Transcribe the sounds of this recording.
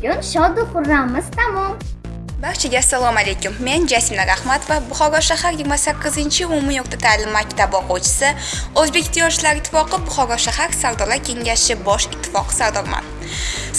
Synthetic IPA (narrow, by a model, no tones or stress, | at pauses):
ʊnʃɒd̪ʊqʊɾːamɪz̥t̪amɒm | baɾt͡ʃʰɪɡʲaasːalˠɒmale̞jkʲʊmːe̞nd͡ʒasɪmlaɾahmat̪vabʊχɒɡɒɾʃahaɾjɪɡɾmasakʲːɪzɪnt͡ʃʰɪʊmɪjoq̚t̪ʰat̪ʰaːlɪmːakʲt̪ʰabɒqowt͡ʃʰɪ̥sɪɵzbe̞kʲt̪ʰːijɒnt͡ʃʰɪlaɾɪt̪ʰːɪ̥fɒqɨbʊχɒɡɒɾʃaɦaɾsaɾd̪ɒlaɾkʲʰe̞ŋʲaʃɪbɒʃɪt̪ʰːɪ̥fɒqʰɨ̥saɾd̪ɒɾma̰n